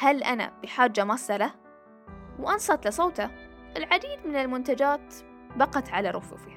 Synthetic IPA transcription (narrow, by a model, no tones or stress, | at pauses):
halʔana̰b̥ɪħaːd͡ʒːamɑsːɑla | wʔɑnsˤɑt̪lɪsˤoːt̪a | ʔɪlʕad̪iːd̪mɪnɪlmʊnt̪ad͡ʒaːt̪ | bɑqɑt̪ʕalaɾˤʊ̰fṵːfiha